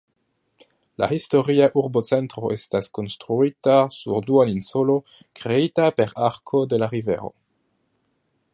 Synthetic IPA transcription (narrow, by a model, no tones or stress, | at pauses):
la̰histo̞ɾiaʔuɾbo̞t͡se̞ntɾo̞ʔe̞stasko̞nstɾuitasṵɾduaninso̞lo̞ | kɾeitape̞ɾaɾkʰo̞de̞laɾive̞̰ɾo̞̰